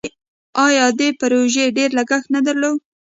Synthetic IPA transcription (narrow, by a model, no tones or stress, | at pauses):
ɑjɑd̪epaɾoʒeɖeɾlaɡaxnad̪aɾlow